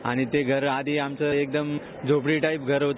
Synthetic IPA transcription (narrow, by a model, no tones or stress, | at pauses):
a̰ɽ̃it̪eɡʱəɾad̪ʱiamt͡səek̚d̪əm | d͡zʱopɽiʈaip̚ɡʱəɾɦot̪